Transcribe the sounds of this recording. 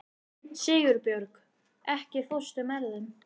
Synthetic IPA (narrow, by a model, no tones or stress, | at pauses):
sɪːɣʏɾpjœɾk | ɛhcɪθowst̪ʏmɛɾðɪn